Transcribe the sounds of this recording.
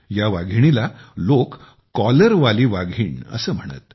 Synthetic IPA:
jaʋaɡʱiɽ̃ilalokː | ɔləɾʋaliːʋaɡʱiːɳə̰səːm̤əɽ̃ə̰t̪

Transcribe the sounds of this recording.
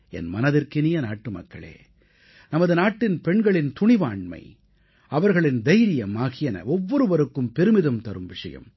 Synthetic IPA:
ɛ̰nmɐnɐðɪrkɪnɪjɐnaːʈːɯmɐ̰kːɐ̰ɭḛː | nɐmɐðɯnaːʈːɪnpɛɳɡɐɭɪnt̪ʊɳɪʋaːɳmɐ̰ɪ | ɐʋɐɾɣɐɭɪnd̪ɐjɾɪjɐmaːɣɪjɐnɐ̰ʔɔʋːɔɾɯʋɐɾɯkːɯmpɛɾɯmɪðɐmt̪ɐɾɯmʋɪʂɐ̰jɐ̰m

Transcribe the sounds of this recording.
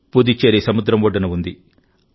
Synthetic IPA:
pud̪it͡ʃːeːɾisɐmud̪ɾɐmʋɔɖɐnɐund̪i

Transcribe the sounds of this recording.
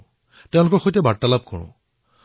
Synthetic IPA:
tɛ̃ʊ̃lʊkɔɹxojtɛbaɹtːalab̚kɔ̰ɹʊ̰̃

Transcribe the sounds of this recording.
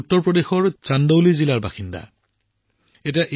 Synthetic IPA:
utːɔɹpɹɔdexɔɹt͡ʃandowlizilaɹba̰xinda̰ | etijaʔ

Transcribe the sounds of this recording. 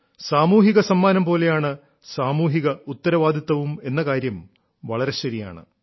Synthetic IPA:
saːmuːɦiɣɐsɐmːaːnɐmpo̞ːle̞jaːɳɨ | saːmuːɦiɣɐut̪ːɐɾɐʋaːd̪ʱit̪ːɐʋume̞nːɐkaːɾjɐm | ʋɐɭɐɾe̞ɕɐɾija̰ːɳɨ̰

